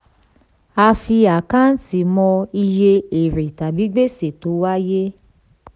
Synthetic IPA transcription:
a˧fi˧a˨kã˦n̩˦ti˨˧˦mɔ̃˧i˧je˧e˨ɾe˨ta˨bi˨˦ɡ͡be˦se˨to˨˦wa˦je˦

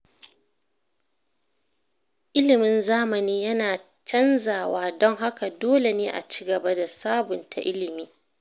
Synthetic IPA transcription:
ʔɪ˦lɪ˨mɪ˦nzaː˦mɐ˨niː˦jɐ˦naː˨ | t͡ʃɐ˦nzaː˨waː˦dɔ˦ŋɦa˦ka˨doː˦le˨neː˦ʔa̰˨t͡ʃi̥ː˦ɡɐ˨ba˦da˨saː˦bʊ˨ntʰa̰˨ʔɪ˦lɪ˨miː˦

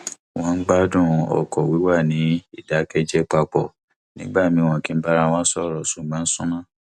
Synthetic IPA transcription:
w̃ɔ̃˧n̩˦ɡ͡ba˦dũ˦˨˧ɔ̰˨kɔ˨wi˨˦wa˦˨nĩ˨˦i˦˨da˨˦kɛ˧d͡ʒɛ˦k͡pa˧k͡pɔ˨ | nĩ˦ɡ͡ba˦˨mĩ˧w̃ɔ̃˨kĩ˨˦m̩˦ba˦ɾa˧w̃ɔ̃˦sɔ˦˨ɾɔ˨sũ˨ɡ͡bã˨˦n̩˦sũ˦nã˦˨

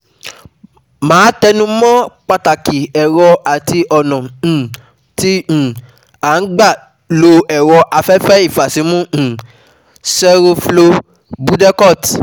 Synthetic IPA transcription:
mãː˨˦tɛ˧nũ˦mɔ̃˦k͡pa˧ta˨ki˨ɛ˨ɾɔ˧a˨ti˧ʔɔ˨nɔ̃˨ | tĩ˧˨ | a˨˦n̩˦ɡ͡ba˦˨ | lo˧ɛ˨wɔ˧ʔa˧fɛ˦fɛ˦i˦˨fa˨si˨˦mũ˦˨ | sɛ˦ɾo˧flo˧ | bu˦dɛ˦kɔ˦˨t

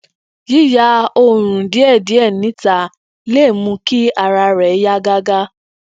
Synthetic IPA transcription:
ji˦ja˧˦o˧˨ɾ̃ũ˨di˨˦ɛ˦˨di˨˦ɛ˦˨nĩ˨˦ta˧ | le˦˨mũ˧ki˦a˧ɾa˧ɾɛ˨˦ja˦ɡa˦ɡa˦

